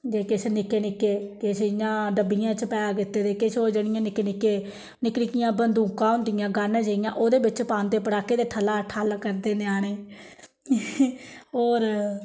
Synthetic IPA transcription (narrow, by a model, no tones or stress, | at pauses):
d͡ʒeːkɪsnɪkːeːnɪkːeːkɪsjãːɖəbːijãːt͡ʃəpɛːakɪt̪ːeːd̪eːkɪsoːd͡ʒəɽ̃ɪ̃jãːnɪkːeːnɪkːeː | nɪknɪkɪjãːbənd̪ũːkãːɦʊ̃nd̪ɪjãːɡaːnãːd͡ʒəːɪjãːʔoːd̪eːbɪt͡ʃpãːnd̪eːp̬əɽaːkeːd̪eːʈ̪ʰəlaːʈʰaːlkəɾd̪eːneːaːɽ̃eː | oːɾ